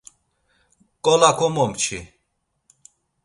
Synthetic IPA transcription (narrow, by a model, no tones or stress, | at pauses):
kʼɔlakʰɔmɔmt͡ʃʰi